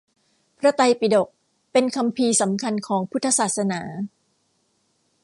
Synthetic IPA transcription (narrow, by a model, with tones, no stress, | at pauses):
pʰɾa˦˥t̪a˧jpi˨˩do˨˩k̚ | pe˧nkʰa˧mpʰiː˧sa˩˦mkʰa˧nkʰɔː˩˦ŋpʰu˦˥t̪ʰːa˧saː˨˩t̪̚sa˧naː˩˦